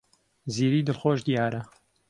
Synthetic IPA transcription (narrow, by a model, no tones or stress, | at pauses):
ziːɾiːd̪ɨlxoːʒd̪ijaːɾɐ